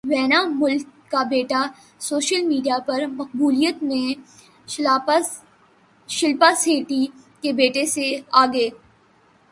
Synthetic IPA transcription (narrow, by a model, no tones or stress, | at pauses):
ʋɛːnamʊlkːabeːʈa | soːʃəlmiːɖijapɐɾmɐq̚buːlijət̪mẽ | ʃɪlpaseːʈi | kebeːʈeseaːɡeː